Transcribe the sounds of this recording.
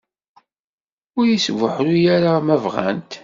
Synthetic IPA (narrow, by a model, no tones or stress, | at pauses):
ʊɾjisvəħɾujaɾamævʁæ̰nt̪